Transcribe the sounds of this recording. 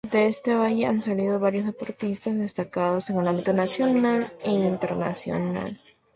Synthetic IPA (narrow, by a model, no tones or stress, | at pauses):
d̪e̞e̞st̪e̞βaʝe̞ansalið̞o̞βaɾjo̞zðe̞po̞ɾt̪ist̪azðe̞st̪akaðo̞se̞ŋelãmbit̪o̞nasjo̞naleint̪e̞ɾna̰sjo̞̰na̰l